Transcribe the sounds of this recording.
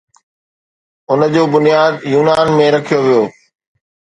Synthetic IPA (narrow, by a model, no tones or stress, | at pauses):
ʊnə̆d͡ʑoːbʊnijaːd̪juːnaːnmẽɾɐkʰijoʋijoː